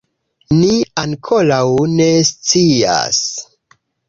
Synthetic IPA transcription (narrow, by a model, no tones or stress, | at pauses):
niaŋkʰolawne̞st͡sia̰s